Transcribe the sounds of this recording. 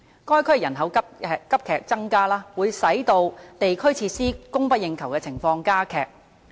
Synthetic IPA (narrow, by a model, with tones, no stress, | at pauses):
kɔː˥jkʰɵ˥ɥjɐ˨˩nɦɐ˨˧wkɐ˥p̚kʰɛː˨k̚t͡sɐ˥ŋkaː˥laː˥wuː˨˧jsɐ˨˥jt̪o˧wt̪e˨jkʰɵ˥ɥt͡sʰiː˧t̚siː˥kʊ˥ŋpɐ˥t̚jɪ˧ŋkʰɐ˨˩wkɛː˧t͡sʰɪ˨˩ŋfɔː˧ŋkaː˥kʰɛː˨˩k̚